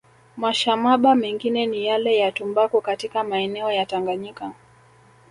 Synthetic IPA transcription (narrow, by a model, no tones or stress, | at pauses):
maʃamaɓamɛŋɡinɛnijalɛjatumbakukatikamaɛnɛɔjataŋɡaɲika